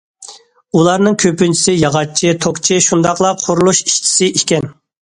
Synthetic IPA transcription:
ulˠɑɾnɨŋkʲʰøpynt͡ʃʰi̥sɪjɑʁɑt͡ʃʰit̪ʰokt͡ʃʰiʃund̪ɑqlˠɑqʰoɾulˠuʃi̥ʃt͡ʃʰi̥sɪʔikʲɛn

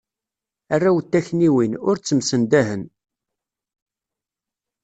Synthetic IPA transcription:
arːæwət̪ːæçniwinʊɾt͡sːəmsənd̪æɦən

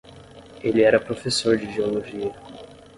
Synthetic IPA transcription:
elɪɛɾɐpɾofesoɾd͡ʒɪʒeoloʒiɐ

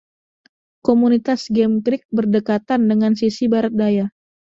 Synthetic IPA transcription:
komunit̪asɡɛmkɾɪk̚bərdəkat̪andəŋansisibaɾat̪̚daja

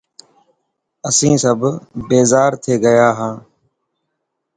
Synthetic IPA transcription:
əsĩːsəbbeːzaːɾt̪ʰeːɡəjaːɦãː

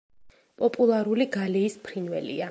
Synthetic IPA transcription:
pʼɔpʼulˠaɾuliɡaliːspʰɾinvɛ̰lḭa

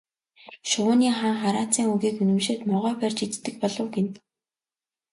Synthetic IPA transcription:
ʃʊːniːχaːŋχaɾaːt͡siːŋuɣiːkɵnɘ̆mʃeːt̪mɔʁœːpært͡ɕit͡st̪ːɘ̆kpɔɮɞ̆wɡen

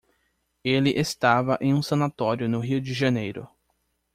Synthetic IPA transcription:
elɪʔest̪avɐʔẽj̃ũsɐ̃nat̪ɔɾjʊnʊɦiwd͡ʒɪʒɐnejɾʊ̰

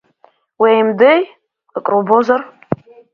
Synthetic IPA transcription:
wejmdɨj | kʼrobozar

